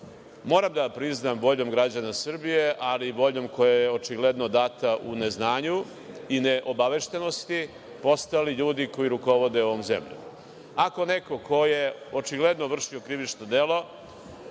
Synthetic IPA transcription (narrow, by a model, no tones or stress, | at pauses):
mo̞ːɾamd̪apɾiznambo̞ʎo̞mɡɾad͡ʑanasr̩bije̞ʔalibo̞ʎo̞mko̞jajeo̞t͡ʃiɡled̪no̞d̪aːt̪aʔune̞znaːɲu | ineʔobaʋeʃt̪eno̞st̪i | po̞st̪aliʎuːd̪iko̞jiɾuko̞ʋo̞d̪eoʋomzḛmʎṵ | ako̞neko̞ko̞je̞ot͡ʃiɡle̞d̪noʋr̩ʃio̞kɾiʋit͡ʃnod̪elo̞